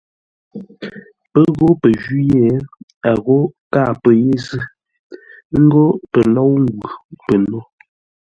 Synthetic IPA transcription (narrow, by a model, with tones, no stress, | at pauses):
pə˦ɣo˦pə˨d͡ʒi˦jɛ˦˨a˨ɣo˦ka˦˨pə˨je˦zɨ˦ | ŋ̩˦ɡo˦pə˨lɔ˦wŋ˦ɡwu˨pə˨no˦